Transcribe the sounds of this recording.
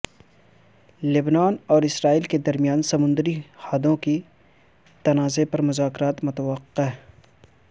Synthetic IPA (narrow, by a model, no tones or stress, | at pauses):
lɪbnaːnɔːɾɪsɾaːiːlked̪ɐɾmijaːnsɐmʊ̃nd̪ɾihaːd̪õki | t̪ɐnaːzepɐɾmʊzaːkɾaːt̪mʊt̪əʋəqːeɦ